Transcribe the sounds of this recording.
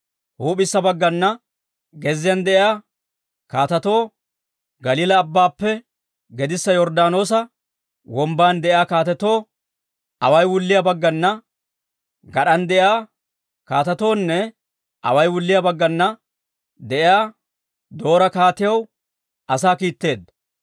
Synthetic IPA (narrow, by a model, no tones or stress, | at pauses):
huːpɪsːɐbɐɡːɐnːɐ | ɡɛzːɪjɐnd̪ɛʔɪjaː | kaːt̪ɐt̪o̞ː | ɡɐliːlɐːbːaːpːɛ | ɡɛd̪ɪsːɐjɔɾd̪aːno̞ːs̬ɐ | wɔmbaːnd̪ɛʔɪaːkaːt̪ɛt̪o̞ː | ɐ̰wɐjwʊlːɪjabɐɡːɐnːɐ | ɡɐɗɐnd̪ɛʔjaː | kaːt̪ɐt̪o̞ːnːɛ | ʔɐ̰wɐjwʊlːɪjabɐɡːɐnːɐ | d̪ɛʔɪjaː | d̪o̞ːɾɐkaːt̪ɪjɐw | ʔɐsaːkiːt̪ːe̞ːd̪ɐ